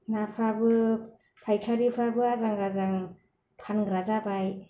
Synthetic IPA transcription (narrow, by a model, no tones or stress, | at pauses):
napʰɾabɯ | pʰajkʰaɾipʰɾabɯazaŋɡazaŋ | pʰanɡɾazabaj